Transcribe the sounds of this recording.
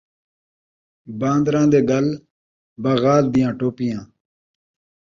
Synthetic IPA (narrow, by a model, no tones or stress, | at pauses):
bãːnd̪ɾãːd̪eːɡəl | bəːɣaːld̪ɪjãːʈoːpɪjãː